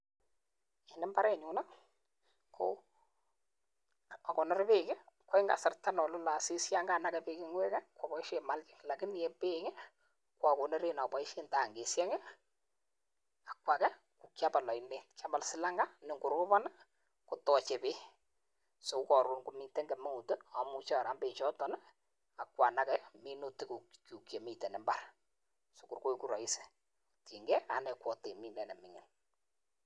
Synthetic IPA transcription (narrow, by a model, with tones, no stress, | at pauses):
e˨nɪ˦mba˦ɾɛ˦˨ɲʊ˨na˦ | kʰo̰ | a˨kɔ˨nɔ˦ɾpe˦kɪ˦kwɪ˦ŋɡa̰˨sɪ˨rta˦nɔ˨lo˦la˨si˦sja˦ŋɡa˦˨na˦kɛ˨pe˦kɪ˦ŋɡwɛ˦kɛ˦kwa˨pɔ˨i˦ʃe˨ma˦lt͡ʃɪ̥˨kla˨kɪ˦ni˨ɛ˦pe˦ŋɪ˦ | kwa˨ko˨ne˦ɾe˨na˨pɔ˨ɪ˦ʃe˦nta˨ŋɡe˨sjɛ˦ŋɛ˦ | a˨kwa˨kɛ˦ | ku˨kja˦pa˨lɔ˨ɪ˨ne˦tka˦ma˦lsɪ˦la˦ŋɡa˦nɪ˦ŋɡʊ˨ɾʊ˦pɔ˦na˦ | kʊ˦tɔ˨t͡ʃe˨pe˦ | so˨˦kɔ˨ɾu˦nku˨mi˨te˦ŋɡɛ˨me˦ŋu˨tə˦a˨mu˦t͡ʃɔ˦˨ɾa˨mbe˨t͡ʃɔ˦tɔ˦nɛ˦ | a˨kwa˨na˨kɛ˦mi˦nu˦tɪ˦ku˨ku˨kje˨mi˨te˨nɛ˨mba˦r | so˨ku˨rko˦jku˦ɾɔ˨ɪ˦se̥˨ | ti˨ŋɡɛ˦a̰˨ne˨kwɔ˨te˨mi˨nɛ˨nɛ˨mɪ˨ŋɪ̰˨n